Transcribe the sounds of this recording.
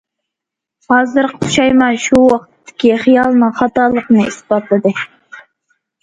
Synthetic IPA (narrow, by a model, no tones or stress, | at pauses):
hɑːzɨɾqʰə̥tʰu̥ʃɑjmɑʃuwɑqtt̪ʰːɪ̥kʲiχijɑlˠnɨχɑt̪ɑlˠəqnɨisbɑt̪lˠɨd̪ɨ